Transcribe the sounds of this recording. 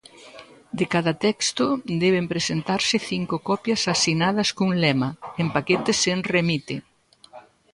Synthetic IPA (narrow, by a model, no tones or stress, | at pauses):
d̪ekaðɐt̪ɛkst̪ʊd̪ɛβ̞empɾesent̪aɾsɪθiŋkʊkɔpjɐsasinaðɐskuŋlɛmɐempaket̪eseŋremit̪e